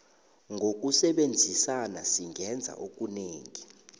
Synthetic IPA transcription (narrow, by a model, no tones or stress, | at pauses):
ŋɡʱok̬ʼusɛɓend͡zʱisanasiŋʱɛnd͡zʱa̰ʔok̬ʼuneːŋi